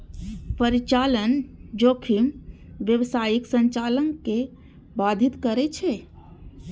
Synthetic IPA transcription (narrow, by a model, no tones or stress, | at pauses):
pəɾit͡ʃaːlənd͡ʒoːkʰimʋjəwsaːjiksə̃ɲt͡ʃaːləŋke | baːd̪ʱit̪kəɾet͡ʃʰɛ